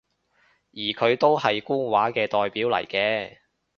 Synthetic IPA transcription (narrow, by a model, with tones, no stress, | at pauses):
jiː˨˩kʰɵ˨˧ɥt̪o˥whɐ˨jkuː˥nwaː˨˥kɛː˧t̪ɔː˨jpiː˨˥wlɐ̰˨˩jkɛː˧